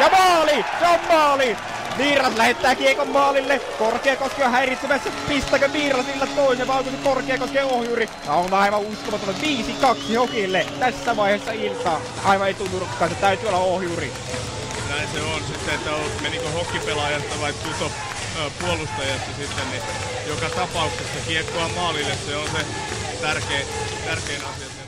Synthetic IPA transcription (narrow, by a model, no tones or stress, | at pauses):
jɑmɑːliseommɑːli | ʋiːrɑslæhet̪ːˑæːkiekomːɑːlilːekorkeɑkoskeohæerit̪semæsːæpist̪ˑæːkøʋiːrɑsilːɑt̪t̪oˑisepɑoŋkusekorkˑeːɑkoskeːohjuːri | jɑonɑˑiʋɑuskomɑt̪olːeʋʋiːsikɑksihokilːet̪æsːæʋɑˑiheːˑsːɑilt̪ɑː | ɑiʋɑeˑit̪ulːurukːˑɑːnset̪æyt̪yːolːɑohjuːrḭ | næˑinseonsit̪ːeet̪ːæomeniːŋkohokːipelɑjɑst̪ɑʋɑitt̪ut̪o | puolust̪ɑjɑsːɑsit̪ːenni | jokɑt̪ɑpɑuksesːɑkiekːoɑmɑːlilːesseonse | t̪ærkeːt̪ærkeinɑsiɑse